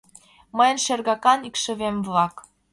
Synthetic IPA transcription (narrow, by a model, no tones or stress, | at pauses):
məjə̆nʃĕrɣɑkɑnikʃɘ̆βemvlɑk